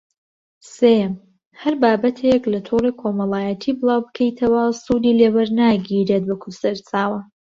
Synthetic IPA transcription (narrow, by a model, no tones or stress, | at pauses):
sejm | hɐɾbaːbɐt̪ʰeklɐt̪ʰurekʰomɐlaːjɛt̪ʰiːbɨlˠaːwbɨkʰejt̪ʰɐwɐsud̪iːlewɐɾnaːɡiɾet̪̚wɐkʰusɐɾt͡saːwɐ